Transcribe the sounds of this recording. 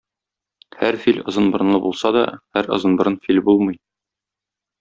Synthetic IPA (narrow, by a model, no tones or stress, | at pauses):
hæɾfilʲɤ̆zɤ̆nbɤ̆ɾɤ̆nˠɤbulˠsɑd̪ɒ̰hæɾɤ̰̆zɤnbɤ̆ɾɤnfilʲbulˠmɤ̆j